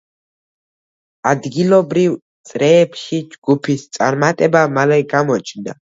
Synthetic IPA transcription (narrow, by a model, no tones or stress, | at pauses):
ad̪ɡilɔbɾivt̪sʼɾɛːpʃid͡ʒɡupʰist̪sʼa̰ɾmat̪ʼɛbamalɛɡamɔt͡ʃʰʼnd̪a